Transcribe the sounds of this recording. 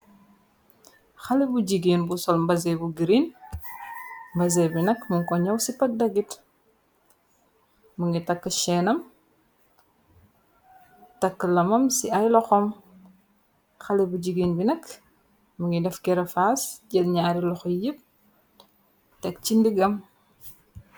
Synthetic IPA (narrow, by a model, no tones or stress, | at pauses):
xɐlibuɟiɡiːnbusɔlmbɐzɛbuɡiɾin | mbɐzɛbinɐkmuŋkɔɲɐwsipɐk̚dɐɡit | muŋɡitɐkːəʃɛːnɐm | tɐkːəlɐmɐmsiɐjlɔxɔm | xɐlibuɟiɡiːnbinɐk | muŋɡidɛfkɛɾɐfasɟɛlɲaːɾilɔxɔjip̚ | tɛk̚t͡ʃindiɡɐm